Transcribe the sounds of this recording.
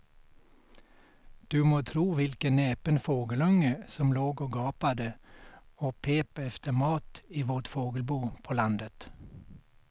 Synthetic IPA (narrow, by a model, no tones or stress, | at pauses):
d̪̥ʉːmoːt̪ʰɾuːʋɪlkəneːpənfoːɡəlœŋəsɔmloːɡoːɡɑːpɑd̪ə | oːpʰeːpəɛft̪əmɑːt̪iːʋoːt̪foːɡəlbuːpʰoːlɑnd̪ət̪